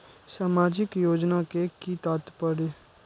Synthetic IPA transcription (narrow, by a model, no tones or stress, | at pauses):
saːmaːd͡ʒɪkjoːd͡ʒnakekit̪aːt̪pəɽe